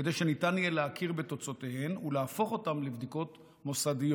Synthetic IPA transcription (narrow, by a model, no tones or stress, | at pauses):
d̪ejʃe̞nitanjeleakiʁbet̪o̞t͡so̞tehemuleafo̞χo̞tamlivd̪iko̞t | mo̞sadijo